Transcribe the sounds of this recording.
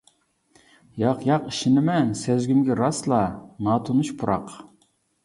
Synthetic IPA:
jɑqjɑqiʃinɪmɛnsɛzɡʲymɡʲɛɾɑslˠɑnɑːt̪ʰunuʃpʰuɾʔɑq

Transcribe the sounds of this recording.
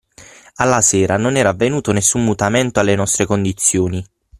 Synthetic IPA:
alːasɛːɾanonɛːɾaːvːenuːt̪onesːumːut̪amɛnt̪oalːenɔst̪ɾekond̪it̪sːjoːni

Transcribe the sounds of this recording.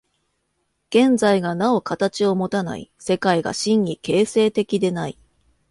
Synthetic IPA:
ɡ̥ẽ̞nzaiɡanao̞kat̪at͡ɕio̞mo̞t̪ana̰ḭse̞kaiɡa̰ɕĩɲ̟ɲike̞ːse̞ːt̪e̞kʲid̪e̞nai

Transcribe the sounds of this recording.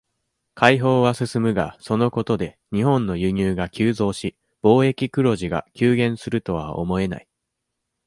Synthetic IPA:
kʰaiɦo̞ːβasɨsɨmɯ̟ɡa̰so̞no̞ko̞t̪o̞d̪e̞ | ɲ̟iɦõ̞nːo̞jɯ̟ɲ̟ʲɨːɡakʲɨːzo̞ːɕi | b̥o̞ːe̞kʲikɯ̟ɾo̞ʑiɡa̰kʲɨːɡẽ̞ɰ̃sɨɾɯ̟t̪o̞β̞a̰o̰mo̞e̞na̰i

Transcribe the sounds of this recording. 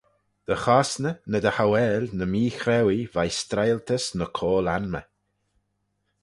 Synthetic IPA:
d̪̥əxaːsnənəd̪əhawɛːlʲnəmiːxɾɛwivajst̪ɾajlt̪ʰəsnəkʰoːlanmə̰

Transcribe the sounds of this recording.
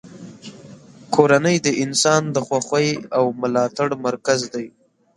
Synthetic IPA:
kʰoɾanəjd̪əʔɪnsɑnd̪əxwaxwajawmʊlɑt̪aɽmaɾkazd̪aj

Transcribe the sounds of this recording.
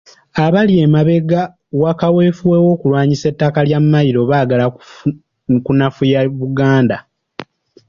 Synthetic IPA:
aβalje̞maβe̞ɡa | wakawe̞ːfuwewo̞ːkulwaːɲise̞tːakaljamːajiɾo̞βaːɡala | kunafujaβuɡaːnda

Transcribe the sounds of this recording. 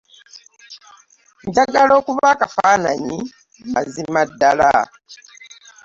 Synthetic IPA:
ɲdaɡalo̞ːkuβaːkafaːnaɲi | ma̰zimadːala̰

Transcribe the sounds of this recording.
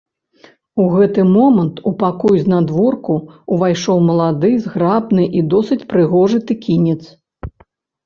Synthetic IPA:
uɣɛt̪ɨmɔmɐnt̪upakɔjznad̪vɔrkuːvajʂɔwmɐlˠad̪ɨzɣɾabnɨʔid̪ɔsɨt͡sʲpɾɨɣɔʐɨt̪ɨkʲinʲɛt̪s

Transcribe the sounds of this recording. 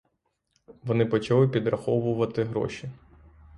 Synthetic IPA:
ʋɔnɪpɔt͡ʃɐlˠɪpʲid̪rɐxɔʋʊʋɐt̪ɪɦɾɔ̰ʃi

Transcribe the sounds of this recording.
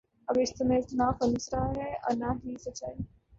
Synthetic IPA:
ɐbɪst̪nẽsnafɐnusɾaɦɛɔ̰ɾnaɦisɐt͡ʃa

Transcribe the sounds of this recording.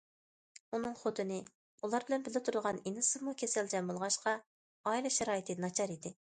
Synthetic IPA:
unɨŋχot̪ʰɪnɪ | ulˠɑɾbɪlɛnbɪlɪt̪ʰuɾʁɑninɨɪsɨmukʲʰesɛld͡ʒɛmːɨlˠʁɑʃqɑ | ɑilˠɨʃɛɾɑːjit̪ʰɨnɑt͡ʃʰɑɾid̪ɪ

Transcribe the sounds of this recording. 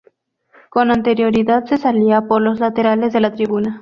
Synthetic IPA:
ko̞nant̪e̞ɾjo̞ɾiðaðse̞saliapoɾlo̞zlat̪e̞ɾale̞zðelat̪ɾiβuna

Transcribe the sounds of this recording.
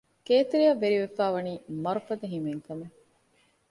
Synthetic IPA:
keːt̪eɾijɐʋːeɾiʋefæːʋɐniːmɐɾufɐd̪ɐɦimeŋkɐme

